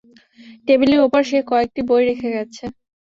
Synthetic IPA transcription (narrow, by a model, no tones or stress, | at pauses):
ʈebuliopaɾʃekɔek̚ʈibojɾekʰeɡɛt͡ɕʰe